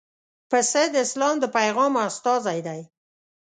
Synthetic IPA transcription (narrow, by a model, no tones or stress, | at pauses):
pəsed̪əɪslɑmd̪əpajɣɑmast̪ɑzajd̪aj